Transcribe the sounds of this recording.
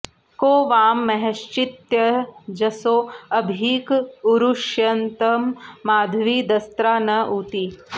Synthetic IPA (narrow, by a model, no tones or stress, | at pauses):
koːʋaːmːɐɦɐʃt͡ʃit̪jɐd͡ʒɐsoːɐbʱiːkuɾuʃjɐnt̪ɐmːaːd̪ʱʋiːd̪ɐst̪ɾaːnɐʔuːt̪i